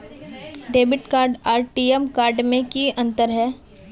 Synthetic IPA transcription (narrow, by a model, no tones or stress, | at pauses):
ɖeːbɪʈkaːɾɖaːɾʈiːemkaːɾɖmẽkiɐ̃nt̪əɾɦɛː